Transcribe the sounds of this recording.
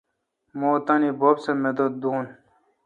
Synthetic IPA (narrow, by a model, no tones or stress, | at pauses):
moːt̪ɐnibobsemed̪ot̪̚d̪uːn